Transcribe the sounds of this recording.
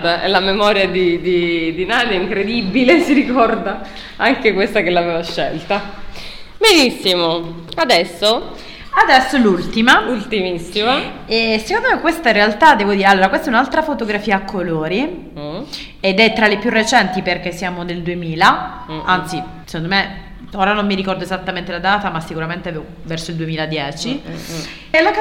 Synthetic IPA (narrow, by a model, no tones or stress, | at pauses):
t̪aɛ̰lamemɔɾjad̪id̪id̪inaːt̪aiŋkɾed̪ibilesiɾikɔrd̪a | aŋkekwest̪akelːaveːvaʃːɛlt̪a | benisːimo | ad̪ɛsːo | ad̪ɛsːolult̪imault̪imisːimaɛsekond̪omekːwest̪aɾealt̪ad̪ːɛːvod̪iːɾealːoːɾakwest̪ɛunalt̪ɾafot̪oɡɾafiːaːkʰːoloːɾi | ed̪ɛt̪ːɾalepjurːet͡ʃɛnt̪iperk̟esːjaːmod̪eld̪uemiːla | ant̪sisekond̪ome | oːɾanomːiɾikɔrd̪oezat̪ːament̪elad̪aːt̪amasːikuɾament̪eave | vɛrsoild̪uemiːlad̪jɛːt͡ʃi | lok